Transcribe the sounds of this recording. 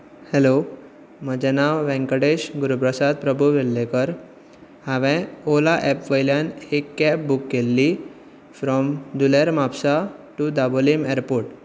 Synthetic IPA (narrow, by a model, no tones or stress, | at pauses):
helo | məd͡ʑanaʋʋɛ̃ŋkəɽeɕɡuɾupɾəsad̪̚pɾəbʱuʋelːekəɾ | haʋɛ̃olaʔɛpʋəjljanhekːɛp̚bukːelːi | fɾɔmd̪uleɾmapsaʈud̪abolimeɾpoɾʈ